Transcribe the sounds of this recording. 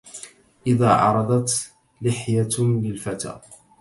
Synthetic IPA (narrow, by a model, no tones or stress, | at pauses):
ʔɪðaːʕɑ̰ɾˤɑd̪ˤɑt̪ | lɪħjalɪlfat̪a̰ː